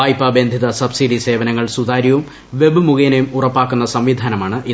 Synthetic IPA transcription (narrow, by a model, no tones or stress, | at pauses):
ɐjpːɐbend̪ʱiðɐsɐbsiɖise̞ːʋɐnɐŋːɐɭsud̪aːɾjɐʋum | ʋe̞bɨmuɣɐjnejumurɐpːaːkːunːɐsɐmʋid̪ʱaːnɐmaːɳɨʔi